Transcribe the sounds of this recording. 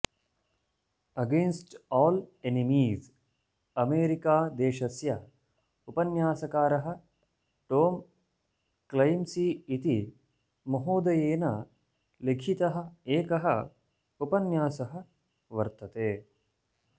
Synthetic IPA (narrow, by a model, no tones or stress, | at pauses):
ɐɡẽːnsʈɔːlenimiːz | ɐmeːɾikaːd̪eːʃɐsjɐ | upɐnjaːsɐkaːɾɐɦɐ̆ | ʈoːm | klɐjmsiːit̪i | mɐɦoːd̪ɐjeːnɐ | lekʰit̪ɐɦɐ̆eːkɐɦɐ̰ | upɐnjaːsɐɦɐ̆ | ʋɐɾt̪ɐt̪eː